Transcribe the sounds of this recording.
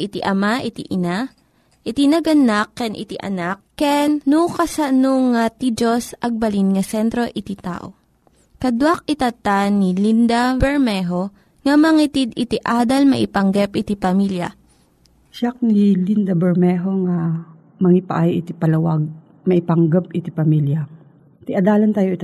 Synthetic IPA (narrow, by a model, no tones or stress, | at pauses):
ʔɪt̪iʔɐmaʔɪt̪iʔɪna | ʔɪt̪inɐɡɐnakːɛnʔɪ̰t̪iʔɐ̰nakːɛnːukɐsanoŋːat̪id͡ʒosʔɐɡ̚bɐlinŋɐsɛnt̪ɾo̞ʔɪt̪it̪a̰ːʔo | kɐd̪wak̚ɪt̪ɐt̪anilind̪abɛɹmɛɦo | ŋɐmɐŋit̪id̪ɪt̪iʔaːd̪ɐlmɐ̰ʔɪpɐŋɡɛpʔɪt̪ipɐmiljɐ̰ | ʃak̚nilind̪ɐbɛɹmɛɦoŋa | mɐŋipɐ̰ʔajʔɪt̪ipɐlɐwaɡ̚ | mɐʔɪpɐŋɡɐpʔɪt̪ipɐmiljɐ | t̪ɪʔɐd̪aːlɐnt̪aːjoʔɪt̪